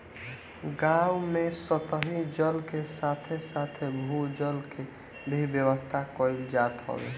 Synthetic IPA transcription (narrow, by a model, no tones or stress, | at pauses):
ɡawmesət̪əɦid͡ʒəlkesat̪ʰesat̪ʰebʱud͡ʒəlke | bʱibjəwəst̪ʰakɔild͡ʒat̪ɦɔ̰bḛ